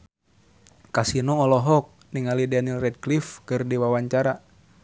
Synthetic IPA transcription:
kasinɔɔlɔɦɔk̚ | niŋalidɛnilrɛd̚klifkɨrdiwawaɲt͡ʃaɾa

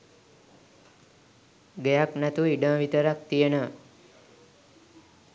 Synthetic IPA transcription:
ɡəjaknat̪uiɖə̃ːʋit̪əɾak̚t̪ijənə

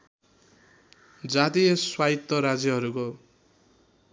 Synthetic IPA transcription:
d͡zat̪ijʌswait̪ːʌɾad͡zjʌɦʌɾuko

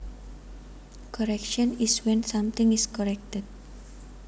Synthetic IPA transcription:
kɔɾɛkʃɔ̃niswɛ̃nsãmt̪ɪ̃ŋiskɔɾɛk̚təd̚

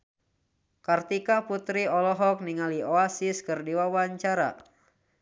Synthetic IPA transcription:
kart̪ikaput̪ɾiɔlɔɦɔk̚niŋalioasiskɨrdiwawaɲt͡ʃaɾa̰

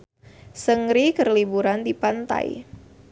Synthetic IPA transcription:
səŋɾikərlibuɾandipant̪a̰j

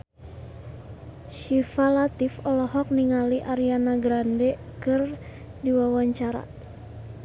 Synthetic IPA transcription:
ʃifalat̪ifɔlɔɦɔk̚niŋaliʔaɾianaɡɾandɛkɨr | diwawaɲt͡ʃaɾa̰

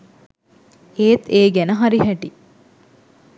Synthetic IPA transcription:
eːt̪eːɡænəɦaɾiɦɛʈi

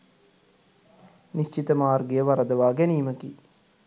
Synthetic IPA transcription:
niʃt͡ʃit̪əmaːrɡejəʋaɾəd̪əʋaːɡɛniːməkḭ

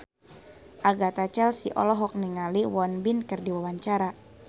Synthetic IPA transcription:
ʔaɡat̪at͡ʃɛlsiʔɔ̰lɔɦɔk̚niŋaliwɔnbinkɨrdiwawaɲt͡ʃaɾa

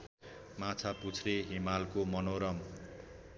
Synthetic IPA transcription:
mat͡sʰaput͡sʰreɦimalkomʌnoɾʌm

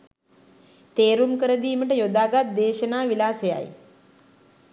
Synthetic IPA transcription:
t̪eːɾumkəɾəd̪iːməʈəjod̪aːɡat̪̚d̪eːʃənaːʋilaːseja̰j

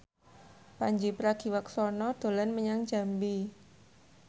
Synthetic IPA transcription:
paɲd͡ʒipɾaɡ̥i̤waksɔnɔd̪̥o̤lɛnməɲaŋd͡ʒa̤mbi

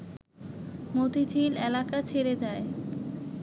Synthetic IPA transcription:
mod̪ʱid͡ʑilelakat͡ɕʰeɾed͡ʑae

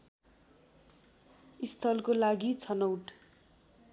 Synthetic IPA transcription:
ist̪ʰʌlkolaɡit͡sʰʌnʌwʈ

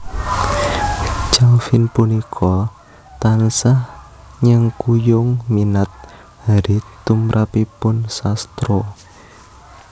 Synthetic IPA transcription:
t͡ʃalfɪnpunikʰɔ | t̪ansah | ɲəŋkujʊŋminat̪̚ | haɾit̪umɾʔapipʊnsast̪ɾo

